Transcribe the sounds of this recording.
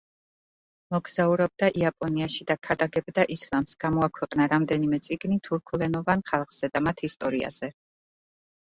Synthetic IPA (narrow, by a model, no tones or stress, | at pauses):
mɔɡzauɾɛb̚d̪aʔiapʼɔniaʃid̪akʰad̪aɡɛbd̪aʔislˠamsɡ̥amɔakʰwɛqʼnaɾamd̪ɛnimɛt̪sʼiɡnit̪ʰuɾkʰulɛnɔvanχalˠχz̥ɛd̪amat̪ʰist̪ʼɔɾia̰z̥ɛ